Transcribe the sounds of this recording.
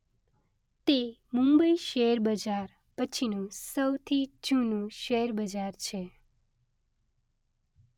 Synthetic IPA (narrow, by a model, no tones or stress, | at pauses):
t̪emũmbəiʃeɾbəd͡ʒaɾ | pət͡ʃʰinũsəwt̪ʰid͡ʒũnũʃeɾbəd͡ʒaɾt͡ʃʰe